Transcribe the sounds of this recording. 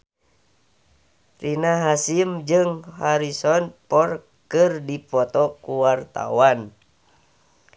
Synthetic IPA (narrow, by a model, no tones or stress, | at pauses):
rinaɦasimd͡ʒɨŋhaɾisɔnpɔr | kɨrdipɔt̪ɔkuwart̪a̰wan